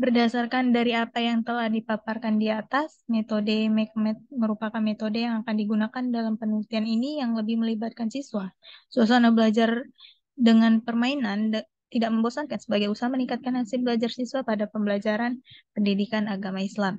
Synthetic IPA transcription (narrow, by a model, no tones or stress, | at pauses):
bərdasarkandaɾiapajaŋt̪əlahdipaparkandiat̪asmet̪odemɛk̚mɛt̪̚məɾupakanmet̪odejaŋakandiɡunakandalampənult̪ianinijaŋləbɪhməlibat̪̚kansiswasuas̬anabəlad͡ʒar | dəŋanpərmainan | t̪idaʔ̚məmbosankansəbaɡajusaɦaməniŋkat̪̚kanasɪbəlad͡ʒarsiswapadapəmbəlad͡ʒaɾanpəndidikanaɡamaislam